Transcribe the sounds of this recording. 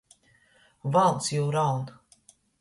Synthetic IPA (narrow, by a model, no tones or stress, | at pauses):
valˠt̪sjuːɾawn